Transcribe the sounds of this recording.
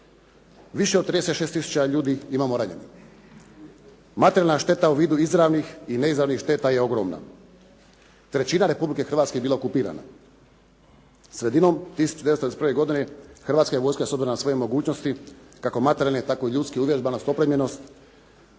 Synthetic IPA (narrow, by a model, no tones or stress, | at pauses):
ʋiʃeod̪t̪ɾid̪eseʃest̪isu̥t͡ɕaʎuːd̪iimamoɾaɲeni | mat̪eɾjalnaʃt̪e̞t̪auʋiːd̪uizɾaʋnixine̞izɾaʋnixʃt̪e̞t̪aje̞o̞ɡɾo̰ːmna̰ | t̪ɾe̞t͡ɕinaɾe̞publike̞xr̩ʋat̪kebilaokupiːɾa̰na̰ | sɾe̞d̪ino̞mt̪isu̥t͡ʃud̪eest̪ɾespɾʋe̞ɡo̞d̪ine̞xr̩ʋaːt̪skajeʋo̞ːjskasobziɾonasʋo̞jemo̞ɡuːt͡ʃno̞st̪ikako̞mat̪eɾjalnet̪ako̞iʎut̪skiuʋje̞ʒbanost̪o̞pɾemʎenost̪